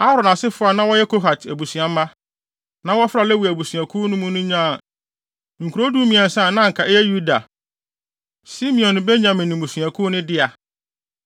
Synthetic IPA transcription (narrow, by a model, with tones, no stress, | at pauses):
a˦ɾɔ˨na˨sɪ˦fʊ˦a˨nã˦wɔ˦jɛ˦kʰo˦ɦa˨tʰæ˨bu˨si˨ã˨m˦ma˦ | nã˦wɔ˦fɾa˨lɛ˦wu˨æ˨bu˨su˨a˨kʰu˦nʊ̃˦mũ˦nʊ̃˦ɲã˦˨ | ŋ̩˨kʰu˨ɾo˦du˦mĩ˨ã˨n̩˨sã˦˨nã˦ŋ̩˨kʰa˨ʔɛ˦jɛ˦ju˦da˨ | si˦mĩ˨ɔ̃˨n˨be˦ɲã˨mɪ̃˨nĩ˨bũ˨su˨a˨kʰu˦nʊ̃˦dɪ˦a˨